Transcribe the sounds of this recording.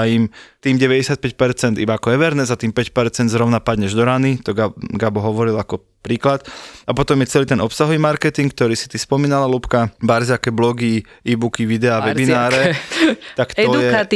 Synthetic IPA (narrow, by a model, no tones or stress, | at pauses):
aimt̪iːmɟɛʋɛɟɛsɪat̪̚pɛc̚pɛɾt͡sɛnd̪ibaakɔɛʋɛɾnɛzat̪iːmpɛcpɛɾt͡sɛnd̪zɾɔʊnapad̪ɲɛʒd̪ɔɾanit̪ɔɡaɡabɔɦɔʋɔɾilakɔ | pɾiːklat̪apɔt̪ɔmjɛt͡sɛliːt̪ɛnɔpsaɦɔʋiːmaɾkɛt̪iŋk̚t̪ɔɾiːsi̥t̪ispɔmiːnalalupkabaɾzakɛblɔɡi | iːbukiʋid̪ɛaʋɛbinaːɾɛ | t̪aktɛɔjɛkat̪ː